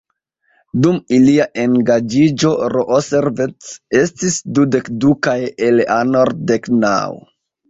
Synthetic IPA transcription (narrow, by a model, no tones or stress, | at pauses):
dumiliaʔe̞ŋɡad͡ʒid͡ʒo̞ɾoʔoseɾvett͡se̞stisdude̞kdukajelanoɾdekna̰w